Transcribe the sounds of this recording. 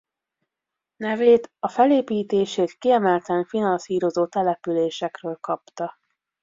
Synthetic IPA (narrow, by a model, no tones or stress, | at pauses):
nɛveːt̪ɒfɛleːpiːt̪eːʃeːt̪kiɛmɛlt̪ɛɱfinɒnsiːɾo̞zoːt̪ɛlɛpyleːʃɛkrøːlkɒpt̪ɒ